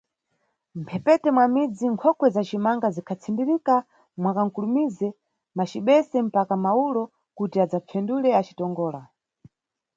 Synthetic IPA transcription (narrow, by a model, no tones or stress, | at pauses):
m̩pʰɛpɛtɛmwamid͡ziŋkʰɔkwɛzat͡ʃimaŋɡazikʰat͡sʰindiɾika | mwakaŋkulumizɛ | mat͡ʃiɓɛsɛm̩pakamaulɔ | kutiad͡zap͡fʰɛndulɛat͡ʃi̥tɔŋɡɔːla